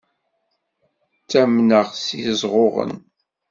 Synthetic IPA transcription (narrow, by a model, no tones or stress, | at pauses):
t͡sːæmnəʁsizˤʁoʁə̰n